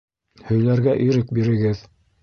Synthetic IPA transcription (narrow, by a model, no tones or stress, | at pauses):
hɵ̆jlæɾɡæʔiɾɘk̚biɾɘ̆ɡɘð